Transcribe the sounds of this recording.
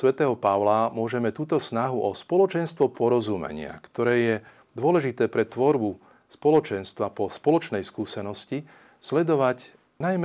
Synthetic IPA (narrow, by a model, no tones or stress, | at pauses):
sʋɛt̪ɛːɦɔpaʊlamʊɔʒɛmɛt̪uːt̪ɔsnaɦuʔɔspɔlɔt͡ʃɛnst̪ʋɔpɔɾɔzumɛ̰ɲɪa̰kt̪ɔɾɛːjɛ | d̪ʊɔlɛʒit̪ɛːpɾɛt̪ʋɔɾbu | spɔlɔt͡ʃɛnst̪ʋapɔspɔlɔt͡ʃnɛjskuːsɛnɔsci | slɛd̪ɔʋac | najm